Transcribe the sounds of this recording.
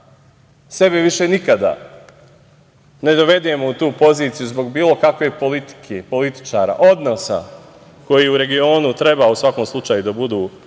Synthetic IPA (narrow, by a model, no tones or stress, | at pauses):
se̞beʋiʃe̞nikad̪a̰ | ne̞d̪oʋe̞d̪emout̪uːpo̞ziːt̪sijuzbo̞ɡbiːlˠo̞kakʋe̞polit̪i̥kʰepo̞lit̪i̥t͡ʃaːɾa̰ːʔo̞d̪nosa̰ | ko̞jiːuɾe̞ɡio̞ːnut̪ɾe̞bausʋako̞mslˠut͡ʃaːjud̪abud̪uː